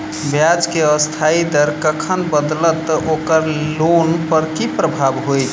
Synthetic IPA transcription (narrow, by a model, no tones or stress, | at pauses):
bjad͡ʒkeəst̪ʰaid̪əɾkəkʰənbəd̪lət̪ːʔokəɾlonpəɾkipɾəbʱabɦojt͡ʃ̪ʰ